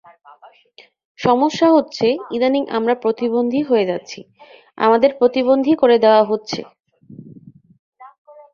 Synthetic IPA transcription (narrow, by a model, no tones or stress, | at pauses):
ʃɔmoʃːaɦotːɕʰeid̪aniŋʔa̰mɾapɾot̪ibond̪ʱiɦoed͡ʑatːɕʰḭ | a̰mad̪eɾpɾot̪ibond̪ʱikoɾed̪eoaɦotːɕʰḛ